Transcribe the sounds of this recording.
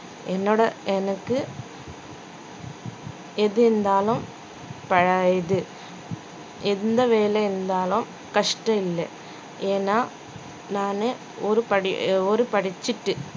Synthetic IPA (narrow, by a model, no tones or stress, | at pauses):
enːoːɽɐɛnɐkːɯ | eðɯend̪aːlum | pɐɻɐjɐðɯ | end̪ɐʋeːleːnd̪aːlum | kɐʂʈɐilːɐ̰ | eːnaː | naːne | oɾɯpɐɽḭoɾɯpɐɽit͡ɕːiʈːɯ